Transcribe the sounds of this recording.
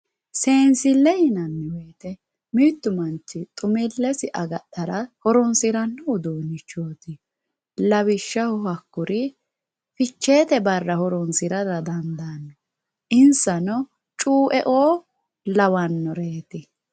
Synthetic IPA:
se̞ːnsɪlɛhɪnɐnːɛwɛjt̪ɛ | mɪːt̪ːʊmɐnt͡ʃːɪt̪ʼʊmɪlːɛsɪʔɐɡɐtːɐɾɐhɔɾɔnsɪɾɐnːɔʊd̪oːnɪt͡ʃːoːt̪ɪ | lɐβɪʃːɐhʊhɐkːʊɾʔɪ | fɪt͡ʃːeːt̪ɛbɐrːɐhɔɾɔnsɪɾɐd̪ɐd̪ɐnd̪anːɔ | ʔɪnsɐnɔ | t͡ʃʼuːʔɛʔoː | lɐwɐnːɔɾeːt̪ɪ

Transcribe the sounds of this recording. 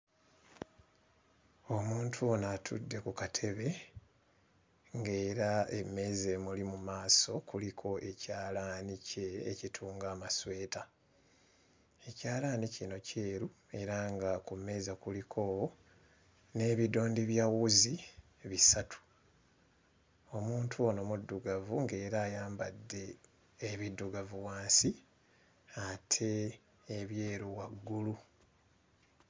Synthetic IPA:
o̞muːntʰuonatʰṵdːe̞kukatʰe̞βe̞ | ŋɡe̞ːɾaeme̞zemulimumaːso̞kulikʰo̞ʔe̞caːlanice̞̰ːcitʰuːŋɡaːmaswe̞ːta | e̞caːlanicino̞ceːɾu | e̞ɾaŋɡakume̞zakulikʰo̞ːwo | ne̞ːβido̞ːndiβjawuzi | βisatʰu̥ | o̞muːntʰuonomudːuɡavuŋɡe̞ːɾaːjaːmbadːe̞ː | βidːuɡavuwaːnsi | atʰe̞ː | βje̞ːɾuwaɡːulu

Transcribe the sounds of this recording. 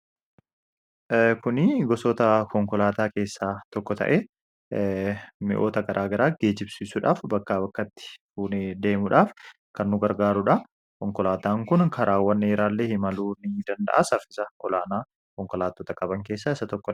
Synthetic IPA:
kʊnɪɡɔsɔt̪ɐkɔŋkɔlaːt̪aːke̞ːsːaːt̪ɔkːɔt̪ɐ̰ʔɛ | mɪ̰ʔo̞ːt̪ɐɡɐɾʔaːɡɐɾaːɡ̥e̞ːd͡ʒɪbsiːsʊᶑa̰ːfbɐkːaːbɐkːɐt̪ːɪ̥fuːnɛd̪e̞ːmʊᶑaːf | kɐnːʊɡɐɾɡaːɾʊᶑɐ | kɔŋkɔlaːt̪aːŋkʊnkʰɐɾʔaːwːɐnːɛɪɾaːlːeːhɪmɐluːnɪd̪ɐnd̪ɐ̰ʔɐsɐfɪsɐʔɔlaːnaː | kɔŋkɔlaːt̪ːot̪ɐkʼɐbɐŋke̞ːsːaːɪsɐt̪ɔkːɔ

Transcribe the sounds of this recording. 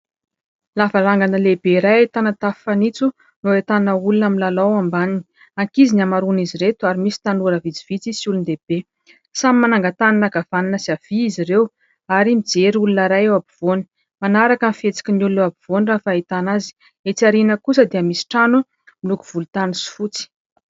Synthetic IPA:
lavaɾaŋɡanəlebeɾajet̪anat̪affanit͡su | noet̪annəulunaminlalawambanini | aŋkizinamaɾuniziɾet̪uaɾimisi̥t̪anuɾəvit͡si̥v̥it͡sisiulund̪eb̥e | samimanaŋɡat̪annaɡavaninəsiav̥iizirew | aɾimid͡zeɾulunəɾajewabiv̥oni̥ | manaɾakamfet͡si̥kʲinulunewabiv̥onrafaet̪anazi̥ | et͡siaɾinəkusəd̪iəmisi̥ʈ͡ʂanu | milukuv̥ulut̪anisu̥fut͡si̥

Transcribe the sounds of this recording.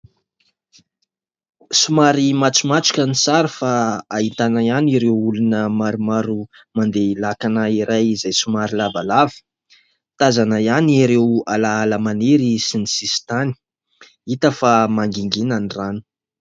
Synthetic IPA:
sumaɾimat͡sumat͡su̥kʲənisaɾəfaait̪anaaniɾewulunəmaɾumaɾu | mand̪eilakanaiɾajizajsumaɾilavalavi̥ | t̪azanaijaniɾewalaalamaneɾisinisisi̥t̪ani̥ | it̪əfamaŋɡiŋɡinaniranu̥

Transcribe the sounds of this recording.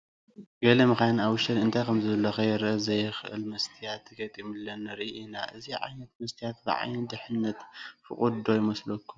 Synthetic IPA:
ɡɐlɐmɨkajnawʊʃɐnɨnt̪ʰajkʰɐmzɨɐlːɐxɐjɛɾʔɐzɐjɛxʔɨ̰lmɐst̪ʰijat̪ɡɐt̪ʼimɨlːɐnːɐɾiʔʔinaʔɨziʕa̰jnɐt̪mɐst̪ʰijat̪bɨʕa̰jnɨd̪ɨħɨnːɐt̪fɨ̰χʼud̪ojimɐslɐkːum

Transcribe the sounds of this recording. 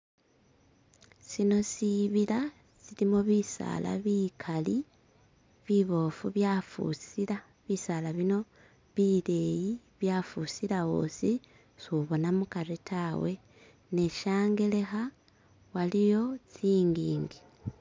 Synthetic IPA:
sino̞siβila | silimoβisa̰la̰βikʰali | βiβo̞fuβjafṵsila | βisalaβino̞ | βile̞ji | βjafusilaɣo̞̰si | suβo̞namukaɾitʰawe̞ | ne̞ʃaːŋɡe̞le̞xa | walijo̞t͡siːŋɡiːŋɡi

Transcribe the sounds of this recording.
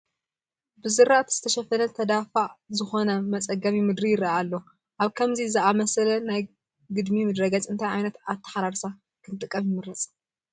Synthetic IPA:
bɨzɨɾaʔt̪zɨ̥t̪ʰɐʃɐfɐnɐt̪ʰɐd̪afazɨxo̞nɐmɐt͡sʼɐɡɐmjimɨd̪ɾijɪɾaalːo | ʔaβkʰɐmzizɨʔamɐsɐlɐnaj | ɡɨd̪mimɨd̪ɾɐɡat͡sʼɨnt̪ʰajʕajnɐt̪at̪ʰːɐ̥ħaɾaɾsa | kʰɨnt̪ʼɨkʼːɐmjɪmɨɾɐt͡sʼ

